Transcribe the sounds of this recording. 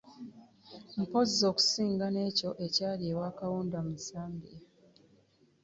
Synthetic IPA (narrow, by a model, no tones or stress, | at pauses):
m̩po̞zːo̞ːku̥siːŋɡane̞ːco̞ʔe̞caːliewaːkawoːndamuzaːmbe